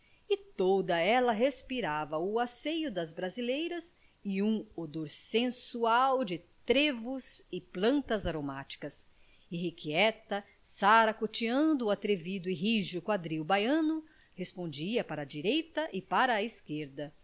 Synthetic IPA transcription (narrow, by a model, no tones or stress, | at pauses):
ɪt̪od̪ɐɛlɐɦespiɾavɐʊasejʊd̪ɐzbɾazilejɾɐz | ɪũod̪oɾsẽsuawd͡ʒɪt̪ɾevʊzɪplɐ̃nt̪ɐzaɾomat͡ʃi̥kɐs | eɦikiɛt̪ɐ | saɾɐkot͡ʃiɐ̃d̪ʊːat̪ɾevid̪ʊɪɦiʒʊkwad̪ɾiwbajɐ̃nʊ | hespõnd͡ʒiɐpaɾɐːd͡ʒiɾejt̪ɐʔɪpaɾɐːiskeɾd̪ɐ